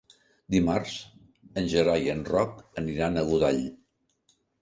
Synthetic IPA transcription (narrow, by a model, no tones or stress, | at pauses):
d̪imarz̥ | ənʲʒəɾajənrɔkəniɾanəɣuðaʎ